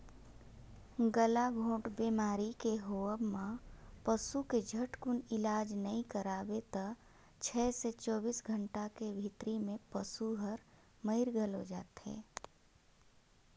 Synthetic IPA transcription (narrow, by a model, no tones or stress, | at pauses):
ɡəlaɡʱõːʈbiːmaːɾikeɦoəbmãpəsuked͡ʒʱəʈkʊnɪlaːd͡ʒnəĩkəɾaːbet̪ə | t͡ʃʰɛːset͡ʃɔːbiːsɡʱəɳʈakebʱit̪ɾimẽpəsuɦəɾ | məɪɾɡʱəlɦod͡ʒaːt̪ɦɛ̰ː